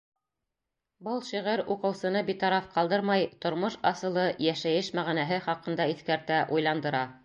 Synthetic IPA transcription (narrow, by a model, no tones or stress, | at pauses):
bɤlˠʃiʁæɾuqɤ̆wsɤ̆nɤbit̪ɑɾɑfqɑlˠd̪ɤɾmɑjt̪ŏɾmɤʃɑsɤ̆lˠɤjæʃæjɘʃmæʁinæɦɘχɑqɤ̆nd̪ɑiθkæɾt̪æʔujlˠɑnd̪ɤ̆ɾɑ